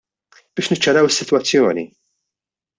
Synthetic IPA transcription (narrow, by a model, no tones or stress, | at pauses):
b̥ɪːʃnɪt͡ʃːɐɾɐwɪsːɪt̪wɐt͡sːjɔːnḭ